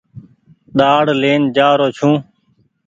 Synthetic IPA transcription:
ɗaːɽleːnd͡ʒaːɾoːt͡ʃʰũː

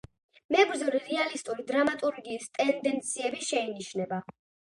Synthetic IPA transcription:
mɛɡɾzɛɾliɾialist̪ʼuɾid̪ɾamat̪ʼuɾɡiːst̪ʼɛnd̪ɛnt̪sʰiɛbiʃɛiniʃnɛba

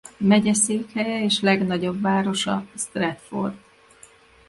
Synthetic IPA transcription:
mɛɟɛseːkhɛjɛeːʃlɛɡnɒɟo̞bːaːɾo̞ʃɒ̰st̪rɛt̪fo̰rt̪

